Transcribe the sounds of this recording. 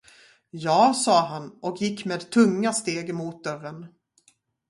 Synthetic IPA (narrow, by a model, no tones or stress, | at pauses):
jɑːsɑːɦanɔkjɪkːmeːd̪t̪ʰɵŋːast̪eːɡmuːt̪̚d̪œrən